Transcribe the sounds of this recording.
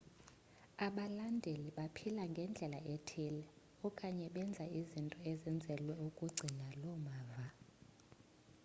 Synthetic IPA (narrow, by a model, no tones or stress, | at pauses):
aɓalandʱeliɓapʰilaŋɡʱɛnd͡ɮʱɛlaetʰilɛ | ɔkʼaɲɛɓɛnd͡zʱaizintʼɔɛzind͡zʱɛlwɛukʼuɡ͡ǀʱinalɔmaːva